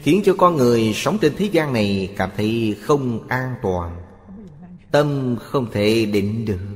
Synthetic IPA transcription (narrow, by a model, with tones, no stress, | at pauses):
xi˨˦ənt͡ɕɔ˧kɔ˧nŋɨ˨˩əjsa˨˦wŋ͡mt͡ɕe˧nt̪ʰe˨˦zaː˧nna˨˩jkaː˧˩mt̪ʰə˨˦jxə˧wŋ͡mʔaː˧nt̪waː˨˩n | t̪ə˧mxə˧wŋ͡mt̪ʰe˧˩ɗḭ˧˨ŋ̟ɗɨ˨˩ək̚